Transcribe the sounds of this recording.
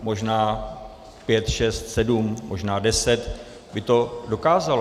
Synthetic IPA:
mo̞ʒnaː | pjɛt̪ʃɛst̪sɛdumːo̞ʒnaːdɛsɛt̪ | bɪt̪o̞do̞kaːzal

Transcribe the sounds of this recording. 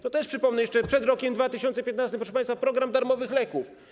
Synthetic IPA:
t̪ɔt̪ɛʂpʂɘpɔmnɛjɛʂt͡ʂɛpʂɛd̪ɾɔkʲɛmd̪vat̪ɘɕɔnsɛpʲjɛt̪nast̪ɘmpɾɔʂɛpajst̪fapɾɔɡɾamd̪aɾmɔvɘxlɛkuf

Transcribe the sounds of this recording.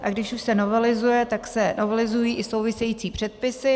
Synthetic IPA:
ʔaɡdɪʃuʃsɛno̞vɛlɪzujɛt̪aksɛnovɛlɪzujiːʔɪsowvɪsɛjiːt͡siːpr̝̥ɛt̪̚pɪsɪ

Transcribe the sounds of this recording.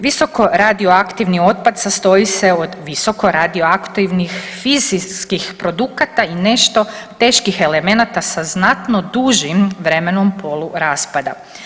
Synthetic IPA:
ʋiso̞ko̞ɾad̪ioakt̪iʋnio̞t̪̚pad̪sast̪o̞ise̞od̪ʋiso̞ko̞ɾad̪ioakt̪iʋnixfiziskixpɾo̞d̪ukat̪aine̞ʃt̪o̞t̪e̞ːʃkixe̞le̞me̞nat̪asaznat̪no̞d̪uʒimʋɾe̞me̞no̞mpʰo̞luɾaːspad̪a̰

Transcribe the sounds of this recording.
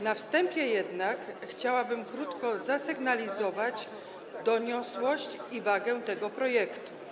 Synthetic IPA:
nafst̪ɛmpʲjɛjɛd̪nakxt͡ɕawabɘmkɾut̪kɔzasɘɡnalʲizɔvad͡ʑ | d̪ɔɲɔswɔɕt͡ɕivaɡɛt̪ɛɡɔpɾɔjɛkt̪u̥

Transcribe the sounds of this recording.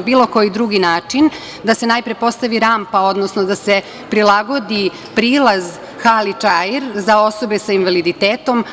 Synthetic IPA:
biːlˠo̞ko̞jid̪ɾuɡinaːt͡ʂin | d̪ase̞najpɾepo̞st̪aʋiɾampao̞d̪nosnod̪ase̞ | pɾilaɡo̞d̪i | pɾiːlˠaz | xalit͡ʃajeɾzao̞so̞be̞sainʋalid̪it̪eːt̪o̞m

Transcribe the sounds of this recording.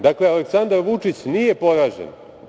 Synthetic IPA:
d̪akle̞aleksand̪aɾʋut͡ʂit͡ɕnije̞po̞ɾaːʒḛn

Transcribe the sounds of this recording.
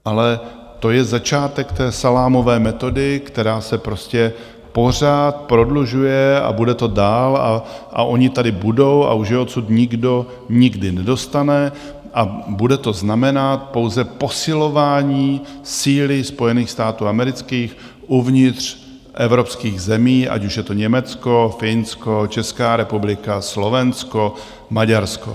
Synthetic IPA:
ʔalɛ | t̪o̞jɛzat͡ʃaːt̪ɛkt̪ɛːsalaːmo̞vɛːmɛt̪o̞dɪkt̪ɛɾaːsɛpɾo̞scɛ | po̞r̝aːt̪pɾo̞dluʒujɛa̰budɛt̪o̞daːla̰ʔa̰ʔo̞ɲɪt̪adɪbudo̞wa̰uʃjɛot̪sut̪ɲɪɡdo̞ | ɲɪɡdɪnɛdo̞st̪anɛ | ʔabudɛt̪o̞znamɛnat̪̚po̞wzɛpo̞sɪlo̞vaːɲiːsiːlɪspo̞jɛniːxst̪aːt̪uːamɛɾɪt͡skiːx | ʔuvɲɪt̪r̥ | ʔɛvɾo̞pskiːɣzɛmiːʔa̰cuʃjɛt̪o̞ɲɛmɛt͡sko̞fɪnsko̞t͡ʃɛskaːɾɛpublɪkaslo̞vɛnsko̞ | maɟaɾsko̞̰

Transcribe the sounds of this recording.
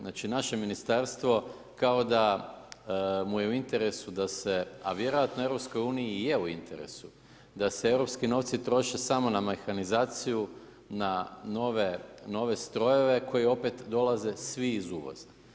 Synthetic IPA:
znaːt͡ʃinaʃe̞minist̪aɾst̪ʋo̞ | kaod̪a | mujeuint̪e̞ɾe̞sud̪ase̞a̰ʋje̞ɾo̞jat̪no̞e̞vɾo̞psko̞juːniije̞uint̪eɾe̞̰su | d̪asee̞ʋɾo̞pskino̞ʋt̪sit̪ɾo̞ʃe̞samo̞namexanizaːt̪siju | nano̞ʋeno̞ʋe̞st̪ɾo̞je̞ʋe̞kʰo̞jio̞pe̞t̪d̪o̞laze̞sʋiːzuʋo̰z̥a

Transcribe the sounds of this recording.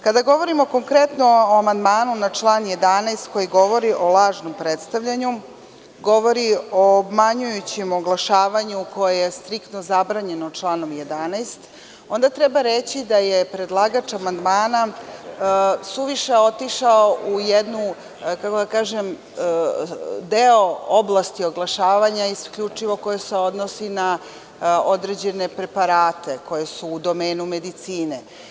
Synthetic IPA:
kad̪aɡo̞ʋo̞ɾimo̞ko̞ŋkɾet̪no̞oamand̪maːnunat͡ʃlˠaːnje̞d̪anajst̪ko̞jiɡo̞ʋo̞ɾiʔo̞lˠaːʒnompɾet̪st̪aʋʎaɲu | ɡo̞ʋo̞ɾioːbmaɲujut͡ɕimo̞ɡlˠaʃaːʋaɲuko̞jejest̪ɾikt̪nozabɾaːɲe̞not͡ʂlˠaːno̞mje̞d̪anajst̪ | o̞nd̪at̪ɾebaɾet͡ɕid̪ajepɾed̪lˠaɡat͡ʃamand̪maːna | suʋiʃeo̞t̪iʃaoʔujed̪nu | kakod̪akaːʒem | d̪eooblˠast̪io̞ɡlˠaʃaːʋaɲaiskʎut͡ʂiʋo̞ko̞jeseo̞d̪nosina | o̞d̪ɾed͡ʑe̞ne̞pɾe̞paɾaːt̪e̞ko̞jesuːd̪o̞meːnume̞d̪it̪siːne

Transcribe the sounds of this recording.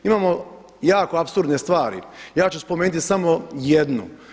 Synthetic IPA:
imaːmo̞ | jaːko̞apsuɾd̪ne̞st̪ʋaːɾḭjaːt͡ɕuspomeːnut̪isamo̞jed̪nṵ

